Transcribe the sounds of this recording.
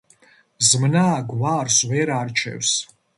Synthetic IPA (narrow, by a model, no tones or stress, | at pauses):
zmnaːɡwaːrsweɾaːrt͡ʃʰḛws